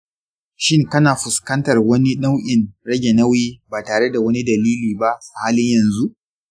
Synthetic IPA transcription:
ʃɪ˦ŋkɐ˦naː˨ɸʊ˨skɐ˦ntɐ˨rwɐ˦ni˦ɗa˦wʔʲɪ˨nɽɐ˦ɡʲe˨nɐ˦wjiː˦baː˨taː˨ɽe˦da˨wɐ˦ni˦dɐ˨liː˦liː˨ba˦sa˨haː˦lɪ˦ɲjɐ˨nzu˦ʔ

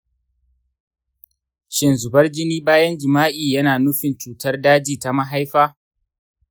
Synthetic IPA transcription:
ʃɪ˨nzʊ˨bɐ˦rd͡ʒɪ˦niː˦baː˦jɐ˦nd͡ʒɪ˨maː˦ʔiː˨jɐ˦naː˨nʊ˦ɸɪ˨nt͡ʃuː˨tɐ˦rdaː˦d͡ʒiː˨ta˨ma˦ɦa˦jɸaː˦

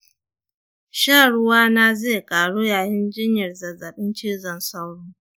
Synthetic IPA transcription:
ʃaː˦˨ɽʊ˦waː˦na˦zeː˦˨kʼaː˨ɽu˦jaː˨jɪ˦nd͡ʒɪ˦ɲjɐ˨rzɐ˨zɐ˨ɓɪ˦nt͡ʃiː˦zɐ˨nsa˦wɽuː˦

